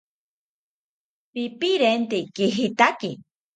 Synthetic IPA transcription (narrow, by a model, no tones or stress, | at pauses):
pipiɾent̪ekiɦit̪aki